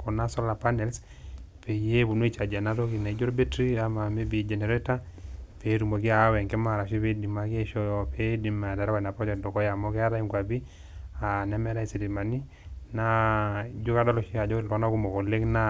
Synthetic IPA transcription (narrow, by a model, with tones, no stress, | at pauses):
kɔ˨na˦sɔ˦la˨pa˦nɛ˨ls | pe˨je˦bu˨no˦i˨t͡ʃa˨d͡ʒa˨na˦to˦ki˨na˨i˦d͡ʒo˦ɾo˦be˦tɾi˦a˨ma˨me˦bi˨d͡ʒe˨ne˨ɾɛ˦ta˦pe˨˦ɾu˨mo˨ɡi˦a˨˦wɛ˨ŋkɛ˦ma˨ɾa˨ʃi˦pe˦di˨ma˨ke˦ʃɔ˦jɔ˨pe˦di˨˦mːa˨ta˨ɾkɔ˨na˨pɔ˦t͡ʃɔ˨dɔ˨kɔ˦ja˨mo˦kɛ˦a˦ɾa˦i˦ŋɡwa˨bi˦ | a˨nɛ˦mɛ˦ɾa˦i˨si˨li˨ma˨ni˦ | na˦d͡ʒo˦ka˦dɔ˦lɔ˨ʃi˦a˨d͡ʒɔ˦la˦na˦ku˦mo˨ko˨le˦kna˦